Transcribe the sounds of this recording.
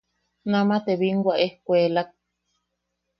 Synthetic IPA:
nãmãt̪eβiŋɡʷwʷaʔehkʷelak̚

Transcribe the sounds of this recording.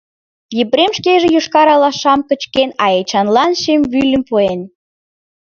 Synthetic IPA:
jipɾemʃkeʒĕjuʃkɑɾɑlɑʃɑmkə̆t͡ɕkenɑet͡ɕɑnlɑnʃemβylʲə̆mpuen

